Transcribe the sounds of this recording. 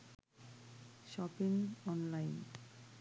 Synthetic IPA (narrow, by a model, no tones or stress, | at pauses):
ʃɔpiŋɔnlajn